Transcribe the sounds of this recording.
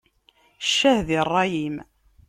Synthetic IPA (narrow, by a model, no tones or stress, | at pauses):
ʃːæhðirˤːɑjim